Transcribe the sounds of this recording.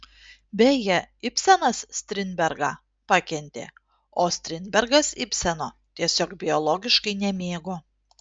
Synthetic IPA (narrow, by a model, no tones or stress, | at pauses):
bʲɛjɛɪpʲsʲɛnɐssʲt̪ʲɾʲɪnʲbʲɛɾɡɑ̰ː | pɑkʲɛnʲt̪ʲḛː | oːsʲt̪ʲɾʲɪnʲbʲɛɾɡɐsɪpʲsʲɛnoːt̪ʲiɛsʲoːkbʲɪɔlˠɔɡʲɪʃkɐɪnʲɛmʲeːɡo